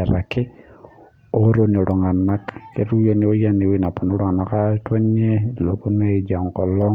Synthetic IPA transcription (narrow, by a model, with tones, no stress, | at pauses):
a˨ɾa̰˨kɪ˦ | o˦ɾo˦ni˨o˨ɾɔ˨ŋa˨na˦kke˦ɾu˦ja˨ni˨˦o˦ja˦ni˨wi˦na˨pɔ˨no˦ɾɔ˦ŋa˨na˨ka˦twa˦ɲe˦˨lo˨po˦n˦e˦˨d͡ʒa˨ŋkɔ˨lɔ˦